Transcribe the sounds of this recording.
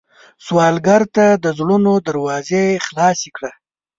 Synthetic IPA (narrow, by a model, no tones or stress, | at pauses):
swɑlɡaɾt̪ad̪əzɽunod̪aɾwɑzexlɑsikɽa